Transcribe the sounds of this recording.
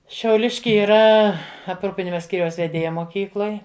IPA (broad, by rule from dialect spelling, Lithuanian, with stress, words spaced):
ʃʲɛʊˈlʲɪʃʲkʲɪ iːˈrɐ ɐpˈruːpʲɪnʲɪmɐ ˈsʲkʲiːrʲɛʊs ʋʲɛˈdʲeːjɛ moːˈkʲiːklˠoːj